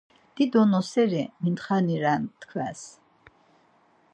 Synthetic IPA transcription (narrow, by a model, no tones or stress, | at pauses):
d̪̥id̪ɔnɔsɛɾɛmint̪χaniɾant̪kʰvæs